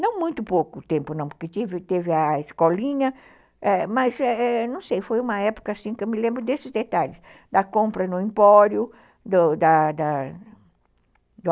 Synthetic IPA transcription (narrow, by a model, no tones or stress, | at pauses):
nɐ̃w̃mũj̃t̪ʊpokʊt̪ẽmpʊnɐ̃w̃poɾket̪ivɪt̪evɪɐeskɔlĩɲɐ | ɛmɐsɛɛnɐ̃w̃sejfojũmɐɛpʊ̥kɐːsĩkɪewmɪlẽmbɾʊd̪esɪzd̪et̪aʎɪs | d̪ɐkõmpɾɐnʊĩmpɔɾjʊ | d̪ɐd̪ɐd̪ɐ | d̪ʊ